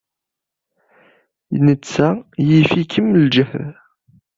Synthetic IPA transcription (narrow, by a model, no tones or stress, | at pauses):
jnət͡sːæjifikʰəmld͡ʒəhð